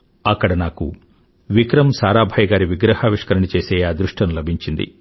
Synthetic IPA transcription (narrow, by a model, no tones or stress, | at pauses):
ɐkːɐɽɐnaːkṵ | ʋikɾɐmsaːɾaːbʱɐjɡaːɾiʋiɡɾɐhaːʋiʂkɐɾɐɳit͡ʃeːseːaːd̪ɾuʂʈɐnlɐbʱiɲt͡ʃind̪ḭ